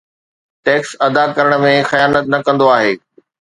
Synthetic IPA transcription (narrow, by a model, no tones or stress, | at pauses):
ʈɛːksɐd̪akɐɾəɽ̃̆mẽxɐjaːnət̪nɐkɐ̃nd̪oaːɦeː